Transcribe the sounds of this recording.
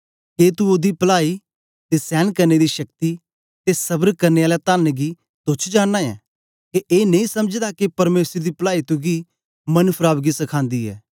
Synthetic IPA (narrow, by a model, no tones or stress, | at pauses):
keːt̪uod̪iːpəlaːiː | t̪eːsɛːnkəɾneːd̪iːʃəkt̪i | t̪esɐbəɾkəɾneːaːlɛt̪aːnɡi | t̪ʊt͡ʃʰd͡ʒaːnːaɛ̰ː | keʔeːnə̃ĩːsəmd͡ʒd̪akepɐɾmeːsɾd̪iːpəlaːiːt̪ʊɡiː | mənpʰɾaːbɡisɐkʰãːnd̪iːɛ̰ː